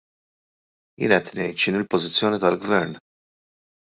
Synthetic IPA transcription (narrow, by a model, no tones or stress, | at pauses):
jɪ̰ːnɛt̪nɛjt̪ʃɪnɪlpɔzɪt͡sːjɔːnit̪ɐlɡvɛɾn